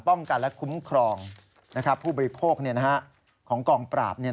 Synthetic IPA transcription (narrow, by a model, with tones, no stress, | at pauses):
pɔ˥˩ŋka˧nlɛ˦˥kʰu˦˥mkʰɾɔː˧ŋ | na˦˥kʰɾa˦˥pʰːuː˥˩bɔː˧ɾi˦˥pʰoː˥˩k̚ni˥˩ɐna˦˥ɦa˦˥ʔ | kʰɔː˩˦ŋkɔː˧˩ŋpɾa̰ː˨˩p̚ni˥˩ɐ